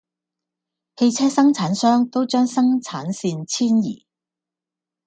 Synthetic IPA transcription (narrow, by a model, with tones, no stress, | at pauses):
he˧jt͡sʰɛː˥sɐ˥ŋt͡sʰaː˨˥nsœː˥ŋt̪o˥wt͡ʃœː˥ŋsɐ˥ŋt͡sʰaː˨˥nsiː˧nt͡sʰiː˥njḭː˨˩